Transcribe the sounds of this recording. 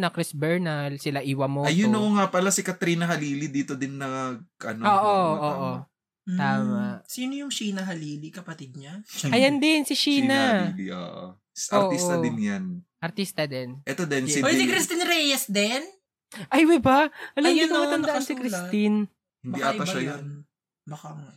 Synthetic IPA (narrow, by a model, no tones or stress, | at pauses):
nɐkɾɪsbɛɹnɐlsɪlɐʔiːwɐmoɐjʊnʊŋapɐlasɪkɐt̪ɾiːnɐɦɐliːlid̪iːt̪od̪ɪnːɐɡɐnoːʔoʔoːʔo | t̪aːmɐʔsiːnojʊŋʃiːnɐɦɐliːlikɐpɐt̪ɪd̪̚ɲaɐjɐnd̪ɪnsɪʃiːnɐio̰ʔo̰ | sʔoɾːʔ̪it̪ɐd̪ɪnjanʔɐɾt̪ist̪ɐd̪ɛnʔɛt̪od̪ɛnsɪsɪkɾist̪inɾɛjɐsd̪ɛn | ʔɐjwɪbɐʔɐlɐjʊnɐmɐɐnd̪ɐʔansɪkɾɪsin | hɪnd̪iʔat̪ɐʃɐjon | bɐkaŋ